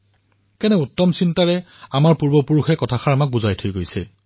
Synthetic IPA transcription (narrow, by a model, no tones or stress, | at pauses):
kɛnɛutːɔmsintaɹɛ | amaɹpuɹbɔpuɹuxɛkɔtʰaxaɹamak̚buzajtʰojɡojsɛ